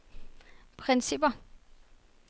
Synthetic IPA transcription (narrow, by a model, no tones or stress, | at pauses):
pʰʁɛnsib̥ɐ